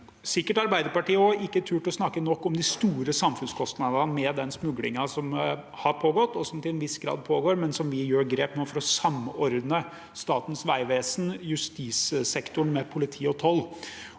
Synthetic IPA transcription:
sɪkːəʈɑɾbæɪd̪əɾpɑʈiːəɔʔɪkːəæʈʰʉːʈɔsnɑkːənɔkːɔmd̪ɪst̪uːɾəsɑmfʉnskʰɔst̪nɑd̪ənmɛd̪ɛnsmʉɡlɪ̰ŋɑsɔmhɑɾpʰoːɡɔt̪ːɔsɔmt̪ɪlɛnʋɪsɡɾɑ̰ːd̪̚pʰoːɡoːɾmɛnsɔmʋɪjøːɾɡɾeːpnoːfɔɾɔsɑmːɔɾd̪nə | st̪ɑːt̪n̩sʋæɪʋeːsnjʉst̪iːssɛkt̪ʊɳmɛpʰʊlɪt̪ʰiːɔt̪ʰɔlː

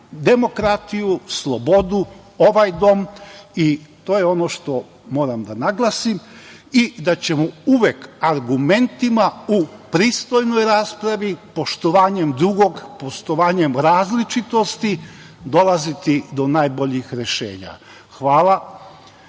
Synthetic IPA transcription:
d̪e̞mo̞kɾat̪ijuslˠo̞bo̞d̪u | o̞ʋajd̪o̞mit̪o̞ːjeo̞no̞ʃt̪o̞ | mo̞ːɾamd̪anaɡlˠasimid̪at͡ɕe̞mouʋekaɾɡume̞nt̪imaupɾiːst̪o̞jnojɾaːspɾaʋipo̞ʃt̪o̞ʋaːɲe̞md̪ɾuɡo̞ɡpo̞ʃt̪o̞ʋaːɲe̞mɾaːzlit͡ʃit̪o̞st̪i | d̪o̞lˠazit̪id̪o̞naːjboʎixɾe̞ʃḛːɲa̰ | xʋaːlˠa

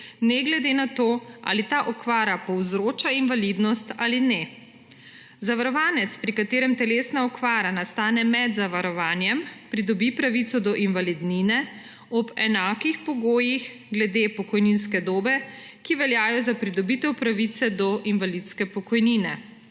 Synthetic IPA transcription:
nɛɡlɛd̪enat̪oːʔa̰ːlit̪aʔɔkʋaːɾapɔwzɾoːt͡ʃainʋalid̪nɔst̪aːlinɛ | zaʋaɾɔʋaːnɛt̪spɾikat̪eːɾɛmt̪ɛleːsnaɔkʋaːɾanast̪aːnɛmɛd̪zaʋaɾɔʋaːnjɛmpɾid̪ɔbipɾaʋit̪sɔd̪ɔʔinʋalid̪ninɛ | ɔbɛnaːkixpɔɡoːjix | ɡlɛd̪epɔkɔjninskɛd̪oːbɛkiʋɛljaːjɔzapɾid̪ɔbit̪ɛwpɾaʋit̪sɛd̪ɔʔinʋalit̪skɛpɔkɔjninɛ

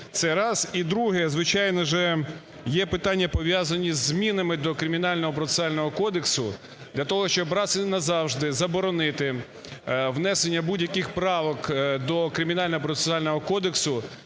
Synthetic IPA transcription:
t̪sɛɾɑzid̪ɾuɦɛzʋɪt͡ʃɑjnɔʒɛ | jɛpɪt̪ɑnʲːɐpɔʋʲjazɐnʲizʲːmʲinɐmɪd̪ɔkɾɪmʲinɑlʲnɔɦɔpɾɔt̪e̥sɑlʲnɔɦɔkɔd̪eksʊ | d̪lʲɐt̪ɔɦɔʃt͡ʃɔbɾɑsɪnɐzɑwʒd̪ɪzɐbɔɾɔnɪt̪ɪ | ʋn̪ɛsenʲːɐbudʲjɐkɪxpɾɑʋɔkd̪ɔkɾɪmʲinɑlʲnɔɦɔpɾɔt̪e̥sʊɑlʲnɔɦɔkɔd̪eksʊ

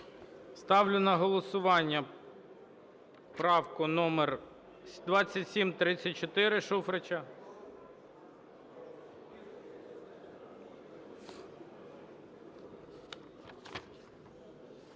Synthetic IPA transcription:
st̪ɑwlʲʊnɐɦɔlˠɔsʊʋɑnʲːɐ | pɾɑwkʊnɔmer | d̪ʋɑt͡sʲːɐtʲsʲimt̪ɾɪt͡sʲːɐt̚ʲt͡ʃɔt̪ɪɾɪʃufɾet͡ʃɐ

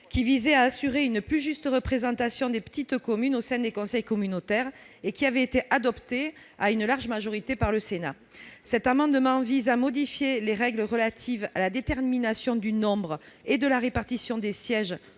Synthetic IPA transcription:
kʲivizɛaːsyʁeynplyʒyst̪əʁəpχezɑ̃t̪asjɔ̃d̪epə̥t̪it̪əkɔmynosɛ̃d̪ekɔ̃sɛjkɔmynot̪ɛʁ | ekʲiavɛet̪eʔad̪ɔpt̪e | aynlaʁʒəmaʒɔʁit̪epaʁləsena | sɛt̪amɑ̃d̪əmɑ̃vizamɔd̪ifjeleʁɛɡləʁəlat̪ʰiva̰lad̪et̪ɛʁminasjɔ̃d̪ynɔ̃bʁəed̪əlaʁepaʁt̪isjɔ̃d̪esjɛʒ

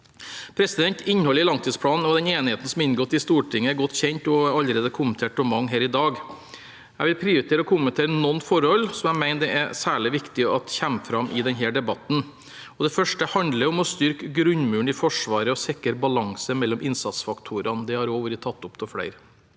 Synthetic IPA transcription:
pʰɾɛsɪd̪ɛnt̪ɪɲːhɔlːɪlɑŋt̪ʰiːspʰlɑːnn̩ɔd̪ɛneːnɪheːt̪n̩sɔmɪnɡoːt̪ːɪst̪uːʈʰɪŋːəæɾɡɔt̪ːçɛɲt̪ɔɑlːəɾeːd̪əkʰʊmənt̪ʰeːʈ̚ɔmɑŋːɦeːɾɪd̪ɑːɡ | æɪʋɪlpʰɾiːʊɾɪt̪ʰeːɾəɔkʰʊmənt̪ʰeːɾənɔnːfɔɾhɔlsɔmæmæɪnd̪ɛʔɛsæːɭɪʋɪkt̪ɪɑt̪çæmːfɾɑmʔɪd̪ɛnɦeːɖɛbɑt̪n̩ | ɔd̪ɛfœʂʈəhɑnd̪ləɾɔmɔst̪ʏɾkəɡɾʉɲmʉːɳɪfɔʂʋɑːɾəɔsɛkəɾbɑlɑŋsəmɛlːɔmʔɪnsɑt̪sfɑkt̪ʰuːɾɑnd̪ɛhɑɾoːʋəɾɪt̪ʰɑt̪ːʊpt̪ʰɔfɽæ̰ɪɾ

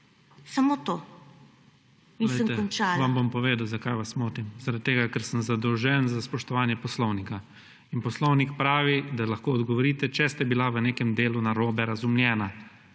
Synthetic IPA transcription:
samot̪o | iɛəmt̪ɛkɔnt͡ʃaːlʋambompɔʋeːd̪awzakajʋasmoːt̪imzaɾad̪̚t̪ːeːɡakɛɾsənzad̪ɔwʒɛnzaspɔʃt̪ɔʋaːnjɛpɔslɔwnika | inpɔslɔwnikpɾaːʋid̪alaxkoːd̪ɡɔʋɔɾiːt̪ɛt͡ʃɛst̪ɛbilaʋəneːkɛmd̪eːlunaɾoːbɛɾazumljɛːna

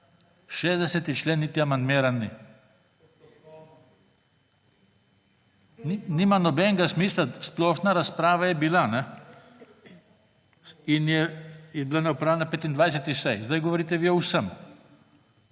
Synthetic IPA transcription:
ʃeːzd̪ɛsɛt̪it͡ʃleːnːit̪iamand̪meːɾanːi | ninimanɔbɛŋɡasmiːslasplɔːʃnaɾaspɾaːʋajɛbilanɛ | injɛjɛbilanɛupɾaːwlenapet̪ind̪ʋajs̬ɛt̪isɛjzd̪ajɡɔʋɔɾiːt̪ɛʋiɔwsəm

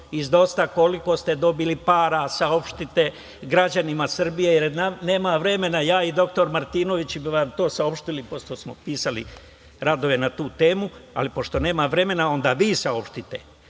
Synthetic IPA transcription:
izd̪o̞st̪ako̞liko̞st̪e̞d̪o̞bilipaːɾasao̞pʃt̪it̪e̞ | ɡɾad͡ʑanimasr̩bijejeɾnane̞ːmaʋɾe̞me̞najaːid̪o̞kt̪o̞ɾmaɾt̪iːno̞ʋit͡ɕbiʋamt̪o̞ːsao̞pʃt̪ilipo̞ʃt̪osmopiːsalḭ | ɾad̪o̞ʋe̞nat̪uːt̪e̞ːmua̰lipo̞ʃt̪o̞ne̞ːmaʋɾe̞me̞nao̞nd̪aːʋiːsao̞pʃt̪it̪ḛ

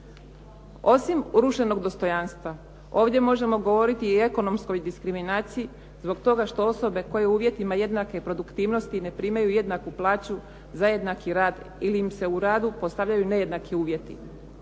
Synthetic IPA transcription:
o̞simɾuʃe̞no̞ɡd̪o̞st̪o̞janst̪ʋa | o̞ːʋdje̞mo̞ʒe̞mo̞ɡo̞ʋo̞ɾit̪iːe̞ko̞no̞msko̞jd̪iskɾiminaːt̪siji | zbo̞ɡt̪o̞ɡaʃt̪o̞o̞so̞be̞ko̞je̞uːʋje̞t̪imaje̞d̪nake̞pɾo̞d̪ukt̪iːʋno̞st̪ine̞pɾiːmajuje̞d̪nakuplˠaːt͡ɕu | zaje̞d̪nakiɾaːd̪ | iliːmse̞uɾaːd̪upo̞st̪aʋʎajune̞je̞d̪nakʰiuːʋje̞t̪ḭ

